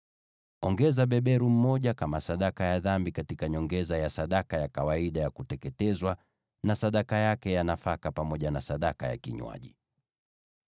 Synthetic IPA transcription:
ɔŋɡɛzaɓɛɓɛɾum̩mɔʄakamasaɗakajaðambikatikaɲɔŋɡɛzajasaɗakajakawaiɗajakutɛkɛtɛzwa | nasaɗakajakɛjanafakapamɔʄanasaɗakaja̰kiɲwa̰ʄi

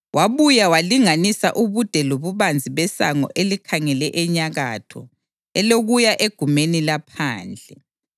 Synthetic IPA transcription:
wʔaβujawaliŋanisaʔuβud̥ʱɛloβuβand͡zʱiβɛsa̰ŋɔ̰ʔelikʰaŋɛlɛʔɛɲaɣatʰɔ̰ | ɛloɣujaʔeɡ̥ʱumenilapʰaːnd͡ɮʱɛ

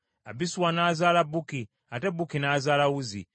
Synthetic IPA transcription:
abisuwanaːzaːlabuki | atebukinaːzaːlawuzḭ

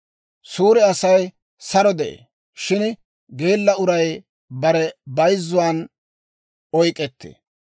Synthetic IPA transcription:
suːɾɛɐsɐj | sɐɾɔd̪ɛʔḛː | ʃɪn | ɡeːlːɐʊɾɐj | bɐɾɛbɐjzːʊwaːn | ɔjkʼːɛt̪ːḛː

